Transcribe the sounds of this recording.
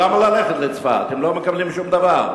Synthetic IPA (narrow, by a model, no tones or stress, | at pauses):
amalaleχet̪let͡sfa̰a̰t̪emlomekablimʃumd̪avaʁ